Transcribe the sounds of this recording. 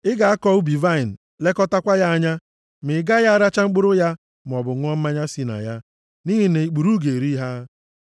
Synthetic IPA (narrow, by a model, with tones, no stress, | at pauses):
ɪ˦ɡa˨a˦kɔ˦u˦bi˨va˦i˨n̩˨ | le˦kɔ˦ta˦kʷa˦ja˦a˦ɲa˦ | mɪ˨ɡa˦ja˦a˦ɾa˦t͡ʃa˦ŋ͡m̩˦k͡pʊ˦ɾʊ˦ja˦ | m˨ɔ˨bʊ˨ŋʷ˦ɔ˦m̩˦ma˦ɲa˦si˦na̰˨ja˦ | ni˦ɦi˦ne˨i˨k͡pu˨ɾu˦ɡe˨ɾi˦ɦa˦